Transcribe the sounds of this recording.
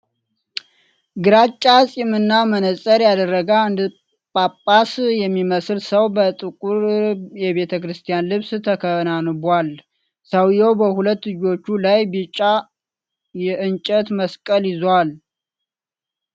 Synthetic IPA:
ɡɨɾat͡ʃʼːasʼimɨnːamənəsʼəɾjad̪ərːəɡaɨnd̪ɨ | pʼapʼːasjɛmːiməslsəwbət̪ʼɨkʼuɾjɛβe̞t̪ʰəkɾɨst̪ʰijanlɨβst̪ʰəkʰənanbʷal | səwjɛwbəhulət̪ːlɨd͡ʒo̞t͡ʃːulajbit͡ʃʼːa | jɛʔɨnt͡ʃʼət̪məskʼəljɪzwal

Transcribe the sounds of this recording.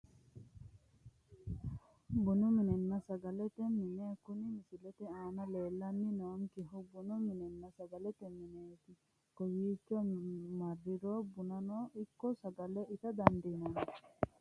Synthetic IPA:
bunuminenːasaɡalet̪emːineːkunimisilet̪ɛaːnaleːlːanːinoːmkiɦubunuminenːasaɡalet̪emːineːt̪i | kojiːt͡ʃːɔmarːiɾoːbunanoːʔikːosaɡaleʔit̪ad̪andinon

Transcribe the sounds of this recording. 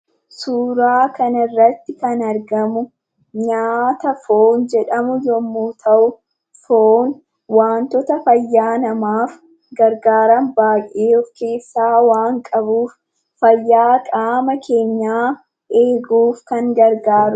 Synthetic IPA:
suːɾaːkɐnɐrːɐt̪ːɪkɐnɐɾɡɐmʊ | ɲaːt̪ɐfoːnd͡ʒɛᶑɐmʊjɔmːuːt̪ʰɐʔʊ | foːn | waːnt̪ɔt̪ɐfɐjːaːnɐmaːf | ɡɐɾɡaːɾɐmbaːjʔeːɔfke̞ːsːaːwaːŋkʼɐbuːfː | ɐjːaːkʼaːmɐkʰe̞ːɲːaː | ʔeːɡuːfkɐŋɡɐɾɡaːɾʊ

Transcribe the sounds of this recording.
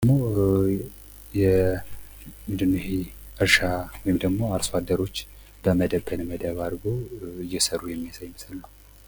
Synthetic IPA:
mo̞ | jɛ | mɨnd̪ɨnːuhe | ʔɨɾʃawɔjɪmd̪əɡmo̞aɾswad̪ːəɾo̞t͡ʃː | b̥əməd̪əbənməd̪əβadɡo̞ɨjːɛsəɾujɛmːijasajməsɨlːəw

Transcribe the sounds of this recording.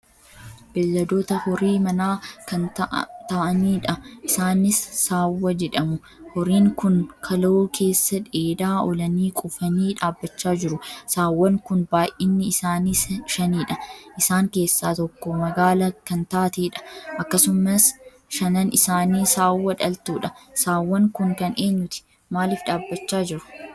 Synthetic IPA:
b̥ɪlːɐd̪oːt̪ɐhɔɾiːmɐnaːkɐnt̪ɐʔɐniːᶑɐʔɪsaːnɪsːaːwːɐd͡ʒɛᶑɐmʊ | hɔɾiːŋkʊnkʰɐloːkʰe̞ːsːɐᶑeːd̪aːɔlɐniːkʼʊfɐniːᶑaːbːɐt͡ʃːaːd͡ʒɪɾʊsaːwːɐŋkʊnbaːjʔʔɪnːɪsaːniːʃɐniːᶑɐʔɪsaːŋke̞ːsːaːt̪ɔkːɔmɐɡaːlɐkɐnt̪aːt̪eːᶑɐ̥ʔɐkːɐsʊmɐs | ʃɐnɐnɪsaːniːsaːwːɐᶑɐlt̪uːᶑɐsaːwːɐŋkʊŋkɐnʔe̞ːɲːʊt̪ɪ̥ | maːlɪfᶑaːbːɐt͡ʃːaːd͡ʒɪɾʊ̥

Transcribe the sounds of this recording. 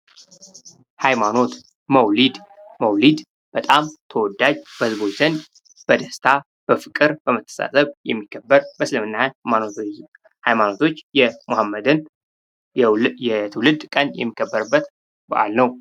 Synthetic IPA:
hajmano̞t̪ | məwlid̪məwlid̪ | b̥ət̪ʼamt̪ʰəwɔd̪ad͡ʒbəhɨzbo̞t͡ʃzənd̪ | b̥əd̪əst̪ʰa | b̥əfɨkʼɨɾbəmət̪ʰːə̥sa̰sʼəβjɛmːikʰːəbːəɾbəsləmɨnːamano | hajmano̞t̪ʰo̞t͡ʃːjɛmohamːəd̪ɨn | jɛt̪ʰɨwlɨd̪kʼənjɛ̰mːikʰːəbːəɾɨbːət̪ | bə̰ʔa̰lnəw

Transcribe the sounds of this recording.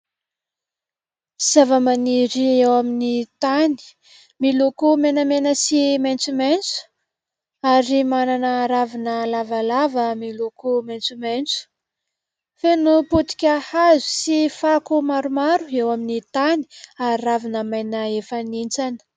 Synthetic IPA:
z̥avəmaniɾiewaminit̪ani̥ | milukumenamenəsiment͡sument͡su̥ | aɾimananəɾavinəlavalavəmilukument͡sument͡su̥ | fenuput̪i̥kʲahazu̥sifakumaɾumaɾuewaminit̪ani̥aɾiravinəmajnaefanint͡sanə̥

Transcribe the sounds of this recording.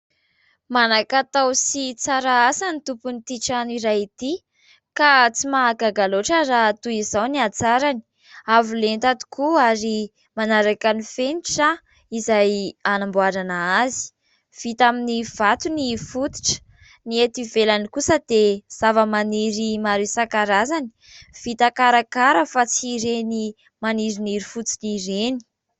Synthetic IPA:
manakat̪awsit͡saɾaasanit̪upunit̪iʈ͡ʂaniɾajit̪i | kat͡simaːɡaɡaloʈ͡ʂərat̪uizawniat͡saɾani̥ | avulent̪at̪i̥kuaɾi | manaɾakanifeniʈ͡ʂa | izajanambuaɾanaazi̥ | v̥it̪aminiv̥at̪unifut̪i̥ʈ͡ʂə̥ | niet̪ivelanikusəd̪̥ez̥avəmaniɾimaɾisakaɾazani̥ | v̥it̪akaɾakaɾəfat͡siɾeni | maniɾiniɾifut͡siniɾeni̥

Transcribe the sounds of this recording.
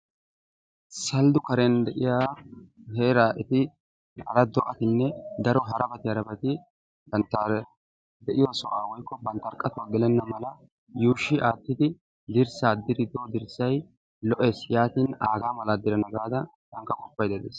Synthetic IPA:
sɐld̪ʊkɐɾɛnd̪ɛʔɪjaːheːɾaːʔɛt̪ɪ | ɐ̰lɐd̪ɔʔɐt̪ɪnːɛd̪ɐɾɔɦɐɾɐbɐt̪ɪɐɾɐbɐt̪ɪ | bɐnt̪ːa | d̪ɛʔɪjwasɔʔaːwɔjkːɔbɐnt̪ːɐɾkʼːɐt̪ʊwaːɡɪlɛnːɐmɐlɐ | juːʃɪʔaːt̪ːɪd̪ɪ | d̪ɪɾsaːd̪ɪɾɪd̪oːd̪ɪɾsɐj | lɔʔe̞ːsjaːt̪iːnaːɡaːmɐlad̪ɪɾɐnɐɡaːd̪ɐ | d̪ɐŋkːɐkʼɔpːɐjd̪ɛd̪eːs

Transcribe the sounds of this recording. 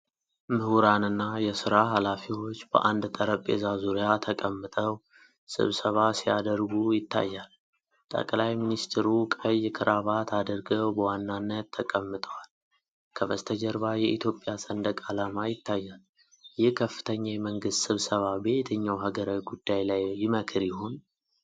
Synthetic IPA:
mɨhuɾanɨnːajɛsɨɾaɦalafiwo̞t͡ʃːbə̰ʔand̪t̪ʼəɾəpʼːḛzazuɾijat̪ʰəkʼəmːɨt̪ʼəw | sɨ̰βsəβasija̰d̪əɾɡujɪt̪ʰːa̰jːal | t̪ʼə̰kʼlajminist̪ʰɾukʼəjkʰɨɾʔaβat̪ʰad̪əɾɡəwbəwanːanːət̪ʰːəkʼəmːɨt̪ʼəwal | kʰəβəst̪ʰəd͡ʒəɾβajɛʔit̪ʰjo̞pʼːjasʼənd̪əkʼalamajɪt̪ʰːajːal | jɪhkʰəfːɨ̥t̪ʰəɲːajɛməŋɡɨst̪sɨβsəβabe̞t̪ʰəɲːawɦaɡəɾawiɡud̪ːajlajːɪməkʰɨɾjɪho̞n

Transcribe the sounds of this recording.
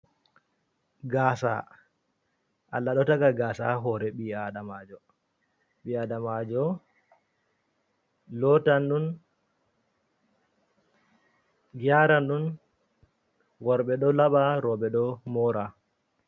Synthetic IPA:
ɡaːsa̰ | ʔalːaɗɔtaɡaɡaːsa̰ɦɔɾɛɓiaɗamad͡ʒɔ | ɓiadamad͡ʒɔ | lɔtanɗun | ɡiaɾanɗun | wɔɾɓɛɗɔlaɓaɾɔɓɛɗɔmɔɾa

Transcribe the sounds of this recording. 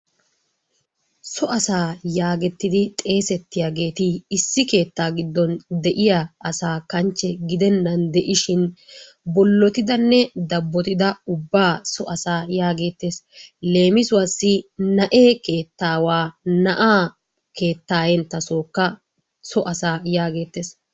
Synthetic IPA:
sɔʔɐsaːjaːɡɛt̪ːɪd̪ɪt̪ʼe̞ːsɛt̪ːɪjaːɡe̞ːt̪ɪɪsːɪke̞ːt̪ːaːɡɪd̪ːɔnd̪ɛʔɪjaɐsaːkɐnt͡ʃːɛɡɪd̪ɛnːɐnd̪ɛʔɪʃɪn | bɔlːɔt̪ɪd̪ɐnːɛd̪ɐbːɔt̪ɪd̪ɐʊbːaːsɔʔɐsaːjaːɡe̞ːt̪ːe̞ːsle̞ːmɪsʊwɐsːɪnɐʔeːke̞ːt̪ːaːwaːnɐʔaː | ke̞ːt̪ːaːjɛnt̪ːɐsoːkːɐ | sɔʔɐsaːjaːɡeːt̪ːeːs

